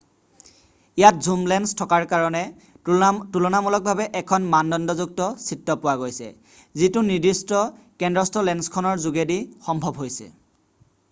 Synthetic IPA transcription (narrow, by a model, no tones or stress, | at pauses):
ijat̚zumlɛnstʰɔkaɹkaɹɔnɛ | tulɔnamɔlɔk̚bʱabɛʔɛkʰɔnmandɔndɔzuk̚tɔsitːɔpʊwaɡojsɛ̰ | zitʊnidistɔkɛndɹɔstʰɔlɛnskʰɔnɔɹzuɡedixɔmbʱɔbɦojsɛ̰